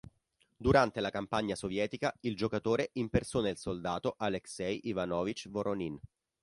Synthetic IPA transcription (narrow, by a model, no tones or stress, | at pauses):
d̪uɾant̪elakampaɲːasovjɛːt̪ikaild͡ʒokat̪oːɾeʔimpersonelsold̪aːt̪oʔaleksɛjʔivanɔːvit͡ʃːvoɾonin